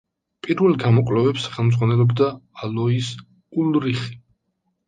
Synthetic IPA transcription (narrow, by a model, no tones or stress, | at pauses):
pʼiɾvɛlɡamɔkʼlɛvɛpsχɛlˠmd̪zʁwanɛlˠɔbd̪aːlɔis | ulɾiχi̥